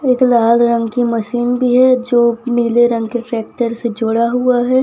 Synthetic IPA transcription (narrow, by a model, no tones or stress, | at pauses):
eːklaːlɾɐ̃ŋɡkimɐsiːnbʱiɦɛd͡ʒoːmɪːleɾɐ̃ŋɡkeʈɾɛːk̚ʈəɾsed͡ʒʊɽaɦuaɦɛ